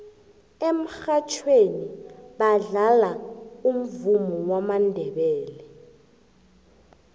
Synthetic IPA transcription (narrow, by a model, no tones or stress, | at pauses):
em̩xat͡ʃʰweniɓaɮalaum̩vumuwamandʱɛɓɛːlɛ